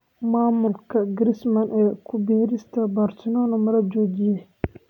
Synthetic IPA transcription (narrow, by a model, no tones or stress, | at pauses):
maːmʊlkʰɐɡɪɾɪsmɐnʔɛːkʰʊbɛːɾɪst̪ʰɐbaːrt̪ɪnɔːnɐmɐlɐd͡ʒɔːd͡ʒɪjɛ